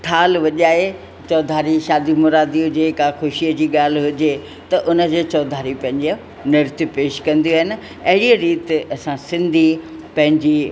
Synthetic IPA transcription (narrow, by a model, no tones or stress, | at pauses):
ʈʰaːlʋɐʄaːɦe | t͡ɕɔːd̪ʱaːɾiʃaːd̪imʊɾaːd̪iɦʊd͡ʑekaxʊʃiəd͡ʑiːɠaːl̤ɦʊd͡ʑe | t̪ɐʔʊnə̆d͡ʑeːt͡ɕɔːd̪ʱaːɾipɐ̃ɦɪ̃ɲd͡ʑi | nɪɾt̪ipeːʃkɐ̃nd̪ijuaːɦɪnɪ̆ | ɐɦɪɽiɾiːt̪ɐsãsɪ̃nd̪ʱipɐ̃ɦɪ̃ɲd͡ʑiː